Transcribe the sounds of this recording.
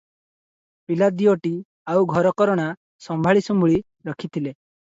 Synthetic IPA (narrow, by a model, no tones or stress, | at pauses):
pilad̪ioʈi | awɡʱɔɾɔkɔɾɔɽ̃a | sɔmbʱaɭisɔmbuɭi | ɾɔkʰit̪ʰile